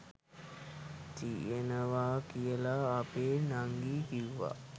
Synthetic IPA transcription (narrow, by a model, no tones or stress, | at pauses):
t̪ienəʋaːkijəlaːpeːnaŋɡiːkiwʋa̰